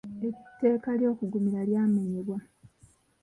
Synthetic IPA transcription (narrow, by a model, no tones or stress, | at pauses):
etːe̞ːkaljo̞ːkuɡumiɾaljaːmeɲeβwa